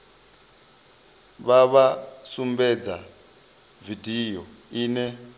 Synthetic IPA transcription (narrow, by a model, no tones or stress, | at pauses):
βaβasumbɛd͡za | vidijɔ | iːnɛ